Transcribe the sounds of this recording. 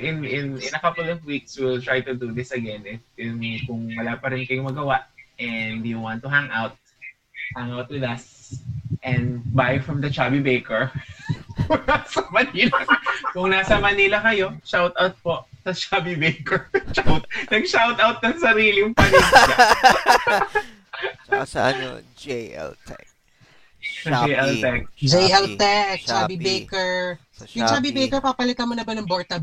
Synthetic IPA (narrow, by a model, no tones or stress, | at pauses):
ʔɪnɪnɪ̃nɐkɐplɔvwikswɪlt̪ɹajt̪ʊd̪ud̪ɪsɐɡɛnɛɪnkʊŋwɐlapɐɾɪnkɐjomɐɡɐwaʔɛnd̪juwant̪ːʊɦaŋawt̪̚ | haŋawt̪̚wɪðɐs | ʔɛ̃nd̪bajfɹɐmd̪ɐt͡ʃaːbibejkɛɹ | nasɐmɐnilɐkʊŋnasɐmɐnilɐkɐjo̞ʃawt̪awt̪̚po | sɐʃaːbibejkɛɹt͡ʃawt̪̚nɐɡ̚ʃawt̪awt̪̚nɐŋsɐɾiːlɪŋpɐnɪnlɐ | t̪ | ɐd͡ʒejʔɛlt̪ɛk̚d͡ʒejʔɛlt̪ɛk̚t͡ʃaːbibejkɛɹ | jʊŋt͡ʃaːbibejkɛɹpaːpɐlɪt̪ɐmonɐbɐnɐŋboɹt̪ɐ